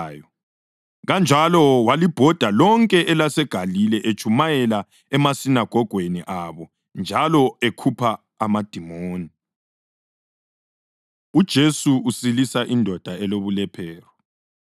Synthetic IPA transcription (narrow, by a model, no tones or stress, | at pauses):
jɔ | ɣand͡ʒʱalɔwalib̥ʱɔd̥ʱalɔŋkʼɛʔɛlasɛɡ̥ʱalilɛʔet͡ʃʼʰumajɛla | ɛmasinaɡ̥ʱɔɡ̥ʱweniʔaβɔ | nd͡ʒʱalɔekʰupʰaː | mad̥ʱimoːni | ud̥ʒ̥ʱesuusilisaʔindʱɔd̥ʱaɛloβulɛpʰɛːrɔ